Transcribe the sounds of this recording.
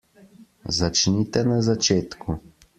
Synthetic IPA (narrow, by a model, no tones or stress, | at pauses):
zat͡ʃnit̪ɛnazat͡ʃeːt̪kʰu